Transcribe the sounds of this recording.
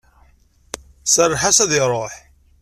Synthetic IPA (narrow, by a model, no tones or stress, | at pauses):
sərˤːħasæðɪɾˤoħ